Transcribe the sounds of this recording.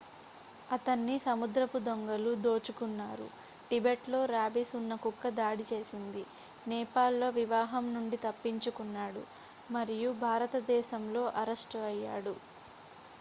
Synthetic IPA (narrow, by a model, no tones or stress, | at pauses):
ɐt̪ɐnːisɐmud̪ɾɐpud̪oŋɡɐlud̪o̞ːt͡ʃukunːaːɾṵ | ʈibeʈlo̞ːɾaːbisunːɐkukːɐd̪aːɽit͡ʃe̞ːsind̪i | nɛːpaːlːo̞ːʋiʋaːɦɐmnuɳɖit̪ɐpːiɲt͡ʃukunːaːɽṵ | mɐɾijubʱaːɾɐt̪ɐd̪ɛːʃɐmlo̞ːʔɐɾɐʂʈɐɐjːaːɽu